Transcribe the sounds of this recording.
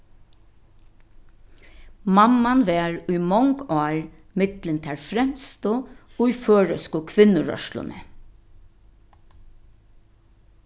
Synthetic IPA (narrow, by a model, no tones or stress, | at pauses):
mamanʋɛːɾujmɔŋkɑːɹ | mɪt̪lɪnt̪ʰɛɹfɾɛmst̪ʊujføːɹœskʊkʰʋɪnʊɹœ̰ʃlʊ̰nɛ̰